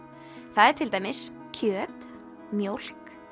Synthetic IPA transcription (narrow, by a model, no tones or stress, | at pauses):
θaðɛɾ̥t̪ʰɪlt̪ajmɪs | cʰœːt̪ | mjowl̥k